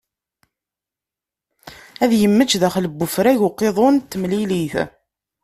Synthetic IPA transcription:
æðjəmːət͡ʃːðæχləbːʊfɾæʝʊqːeðˤont̪ːəmliliθ

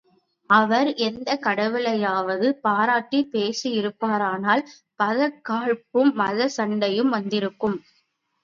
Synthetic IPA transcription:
ɐʋɐɾɛnd̪ɐkɐɽɐʋɪlɐjaːʋɐðɯpaːɾaːʈːipeːsiɪɾɯpːaːɾaːnaːl | pɐðɐkːaːɻpɯmːɐðɐsɐɳɖɐjɯmʋɐnd̪ɪɾɯkːɯm

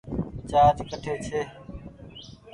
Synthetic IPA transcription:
t͡ʃaːd͡ʒkəʈʰeːt͡ʃʰeː

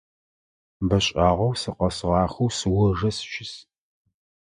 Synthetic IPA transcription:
bɐɕʼaːʁɐwsɨqɐsʁɑːxɐwsɨwɔʐɐsʃɪs

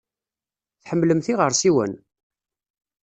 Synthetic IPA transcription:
θħəmːləmθiʁəɾˤsiwə̰n

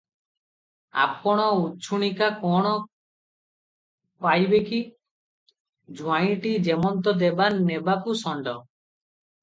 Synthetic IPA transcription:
a̰p̚kɔɽ̃ɔut͡ʃʰuɽ̃ikakɔɽ̃ɔ | pajbeki | d͡ʒuaĩʈid͡ʒemɔnt̪ɔd̪ebanːebakusɔɳɖɔ

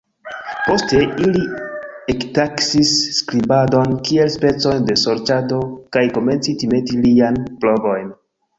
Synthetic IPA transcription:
po̞ste̞iliektaksisːkɾibado̞nkie̞lspe̞t͡so̞jnde̞so̞ɾt͡ʃado̞kajko̞me̞nt͡sitime̞tilianploɡo̞jn

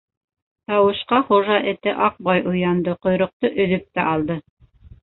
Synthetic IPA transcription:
t̪ɑwɤ̆ʃqɑχuʒɑʔɘ̆t̪ɘʔɑq̚bɑjʔŏjɑnd̪ɤqŏjɾŏq̚t̪oʔɵ̆ðɵp̚t̪æʔɑlˠd̪ɤ

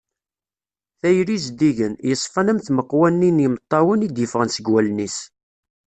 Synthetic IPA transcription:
θæjɾizd̪iʝənjəsˤfɑnəmθməqːwænːinjəmət̪ˤːɑwənid̪jəfʁənsəɡwælnis

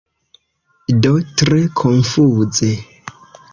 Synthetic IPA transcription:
dotɾekʰonfuze

